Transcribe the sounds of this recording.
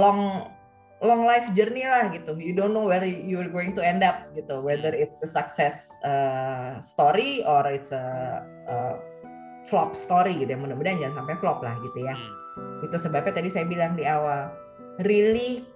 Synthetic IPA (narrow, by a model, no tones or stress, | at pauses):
lɔŋ | lɔŋlajfd͡ʒərnilahɡit̪ujudonːowɛdjuərɡoɪŋt̪uɛndap̚ɡit̪uwɛd̪əɾɪt̪səsaksɛs | əst̪ɔɾiɔrɪt̪sə | ʔə | flɔp̚st̪oɾiɡit̪ujamənəbədand͡ʒans̬ampajflɔp̚la̰hɡit̪uja | ɡit̪usəbap̚t͡ʃat̪adisajabilaŋdiawal | rili